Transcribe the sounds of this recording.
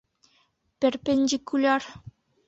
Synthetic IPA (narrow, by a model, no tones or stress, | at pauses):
pʲĕrʲpʲenʲdʲikulʲɑr